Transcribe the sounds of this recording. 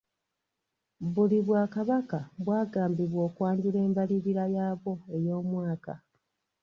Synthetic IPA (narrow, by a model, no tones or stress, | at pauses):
βuliβwaːkaβakaβwaːɡaːmbiβwo̞ːkwaːɲɟile̞ːmbaliβiɾajaːβo̞e̞jo̞ːmwaːka̰